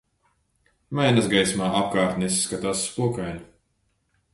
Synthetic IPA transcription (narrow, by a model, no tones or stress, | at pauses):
majnazɡajsmaːʔap̚kaːɾt̪nɛsːkat̪aːsːpuɔkajnʲu